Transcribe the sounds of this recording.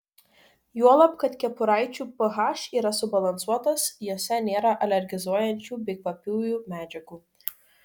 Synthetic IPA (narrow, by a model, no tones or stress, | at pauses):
juɔlˠɐpkɐt̪kʲɛpʊɾɑɪt͡ʃʲuːpɐɦɑʃiːɾɐsʊbɐlˠɐnsuɔt̪ɐsjoːsʲɛnʲeːɾɐʔɐlʲɛɾʲɡʲɪzuɔjɛnʲt͡ʃʲuːbʲɛɪkʋɐpʲuːjuːmʲæːd͡ʒʲɛɡuː